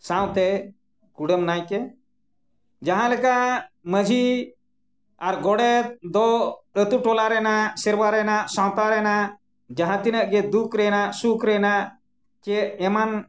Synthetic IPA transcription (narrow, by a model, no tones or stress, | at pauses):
sãw̃t̪ɛ | kuɽəmnajkɛ | d͡ʒaɦãlɛkaməd͡ʒʱi | aɾɡɔɽɛt̪̚d̪ɔət̪uʈɔlaɾɛnasɛɾbaɾɛnasãw̃t̪aɾɛna | d͡ʒaɦãt̪inəʔɡɛd̪ukɾɛnasukɾɛna | kɛːman